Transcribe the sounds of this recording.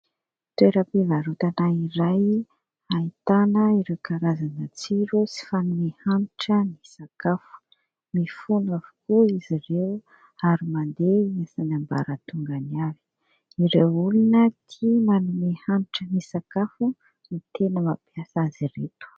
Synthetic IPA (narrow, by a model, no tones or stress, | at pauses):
t̪weɾəpivaɾut̪anaiɾaj | ait̪anəiɾewkaɾazanət͡siɾosi̥fanumehanʈ͡ʂənisakafu̥ | mifunavu̥kuizirew | aɾimand̪easanamba̰ɾət̪uŋɡaniavi̥ | iɾewulinət̪ʰimanumehanʈ͡ʂənisakafu | mit̪enəmapjasaziret̪u̥